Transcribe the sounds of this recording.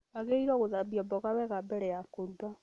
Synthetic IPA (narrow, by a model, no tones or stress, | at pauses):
aɣeiɾɔɣoðabiɔbɔɣaβɛɣabɛɾɛjakoɾuda